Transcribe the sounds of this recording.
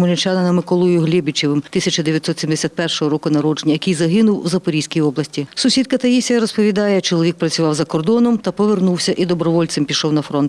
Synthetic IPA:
mɔlʲɪnt͡ʃɑnɐnɐmɪkɔlˠɔjʊɦlʲɪbʲit͡ʃɪʋɪmt̪ɪsʲɐt͡ʃɐd̪eʋʲjɐt̪sɔt̪sʲimd̪esʲat̪̚pɛrʃɔɦɔɾɔkʊnɐɾɔd͡ʒenʲɐjɐkijzɐɦɪnʊwwzɐpɔɾʲijsʲkʲijɔblˠɐsʲtʲisʊsʲid̪̚kɐt̪ɐjisʲɐɾɔspɔʋʲid̪ɑjɛt͡ʃɔlˠɔʋʲik̚pɾɐt͡sʲʊʋɑwzɐkɔrd̪ɔnɔmt̪ɐpɔʋernuwsʲɐʔid̪ɔbɾɔʋɔlʲtsɪmpʲiʃɔwnɐfɾɔnt̪

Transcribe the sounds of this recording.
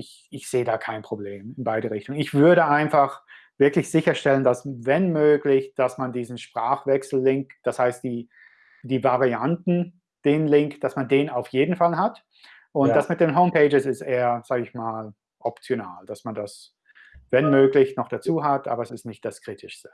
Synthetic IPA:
ʔɪç | ɪçz̥eːədaːkʰaɪnpʁ̥obleːmɪnbaɪɾəʁɪçtʊŋɪçv̥ʏɐɾəʔaɪnfaχ | v̥ɪɐklɪçz̥ɪçɐʃtɛləndasvɛnmøːklɪçd̥asmandiːzn̩ʃpʁ̥aːχv̥ɛksl̩ːɪŋkd̥ashaɪst̚d̥iː | d̥iːvaʁiantn̩ | d̥eːnlɪŋkd̥asmandeːnaʊfjeːdn̩falɦat | ʔʊntd̥asmɪt̚d̥eːnɦoʊmpʰeɪd͡ʒɪsɪstʔeːɐz̥aːɡəɪçmaːl | ʔɔpt͡sjonaːld̥asmandas | vɛnmøːklɪçnɔχd̥at͡suːɦatʔa̰ːbɐɛsɪstnɪçtd̥askʁ̥iːtʰɪʃstə̥

